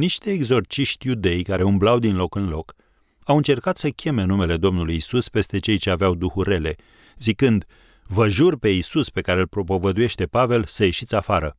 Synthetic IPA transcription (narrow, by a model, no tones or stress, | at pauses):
niʃt̪e̞ːɡzo̞rt͡ʃiʃt̪ʲjud̪e̞jkaɾe̞umblawd̪inlo̞kɨnlo̞k | awɨnt͡ʃe̞rkat̪səkʲe̞me̞nume̞le̞d̪o̞mnulujisuspe̞st̪e̞t͡ʃe̞jt͡ʃe̞aveawd̪uhuɾe̞le̞ | zikɨnd̪ | vəʒurpe̞isuspe̞kaɾe̞lpɾo̞povəd̪uje̞ʃt̪e̞pave̞lsəje̞ʃit̪sʲafaɾə